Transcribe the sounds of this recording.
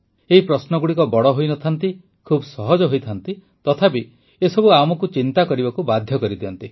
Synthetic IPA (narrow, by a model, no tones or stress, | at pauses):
eɦipɾɔsnɔɡuɽikɔbɔɽɔɦojnɔt̪ʰant̪i | kʰubɔsɔɦɔd͡ʒɔɦojt̪ʰant̪i | t̪ɔt̪ʰape | esɔbuamɔkut͡ʃint̪akɔɾibakubad̪ʱjɔkɔɾid̪iɔnt̪i